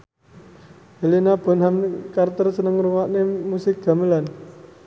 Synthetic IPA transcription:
helinab̥ɔ̤nɦamkart̪ərsənəŋruwaʔnemusɪk̚ɡ̥a̤məlan

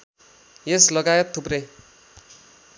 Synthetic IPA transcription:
jeslʌɡajet̪ʰːuprej

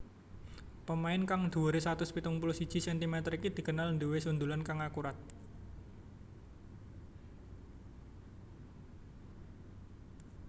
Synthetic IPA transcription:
pəmaɪnkaŋd̪̥uəɾesat̪ʊspit̪ʊŋpulʊsid̥ʒ̥i̤sɛnt̪imɛt̪əɾikid̪̥i̤kənalnd̪uwesund̪ulankaŋakuɾat̪̚

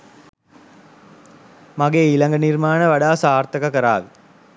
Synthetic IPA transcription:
maɡeːilaŋɡənirmaːnəʋaɽaːsaːrt̪əkakəɾa̰ːʋi

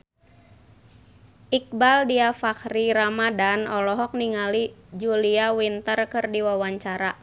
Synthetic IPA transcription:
ʔik̚baldiafakɾiɾamadanɔlɔɦɔk̚niŋalid͡ʒuliawint̪ərkɨrdiwawaɲt͡ʃaɾa

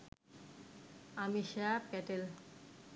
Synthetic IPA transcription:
amiʃɛapɛʈel

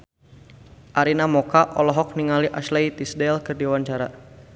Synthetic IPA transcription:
ʔaɾinamɔkaʔɔlɔɦɔk̚niŋaliʔaʃlajt̪isdɛlkɨrdiwaɲt͡ʃaɾa

